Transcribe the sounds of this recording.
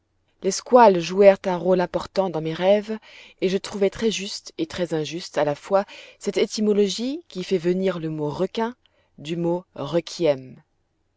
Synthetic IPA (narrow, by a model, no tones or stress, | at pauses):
leskwalʒuɛʁt̪ɛ̃ʁolɛ̃pɔʁt̪ɑ̃d̪ɑ̃meʁɛveʒət̪χuvɛt̪χɛʒyst̪et̪χɛzɛ̃ʒyst̪alafwasɛt̪et̪imɔlɔʒikʲifɛvəniʁləmoʁɔkʲɛ̃ | d̪ymoʁɔkʲʰiɛm